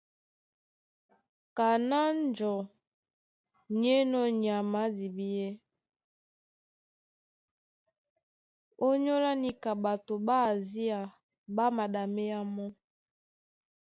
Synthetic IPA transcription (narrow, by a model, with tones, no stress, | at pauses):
ka˨na˦n˦d͡ʒɔ˨ | ɲ˦e˦nɔ˦ɲ˨a˨ma˨˦di˨bi˦ɛ˦ | o˦ɲo˦la˦ni˦ka˨ba˨to˨ba˦˨zi˦a˨ | ba˦ma˨da˨me˦ja˦mɔ˦